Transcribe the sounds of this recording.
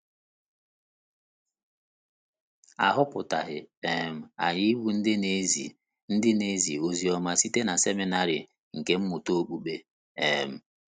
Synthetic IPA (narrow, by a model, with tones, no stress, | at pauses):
a̰˨ɦʊ˦pʊ˨ta˨ɦɪ˨e˨m̩˨a̰˨ji˦wu˦n̩˦dɪ˦ne˦zi˨ | n̩˦dɪ˦ne˦zi˨o˦zi˦ɔ˦ma˦si˦te˦na˨se˦mi˦na˦ɾɪ̰˨ | ŋ̩˨ke˦m̩˦mʊ˨to˦k͡pu˦ɓe˦ | ḛ˨m̩˦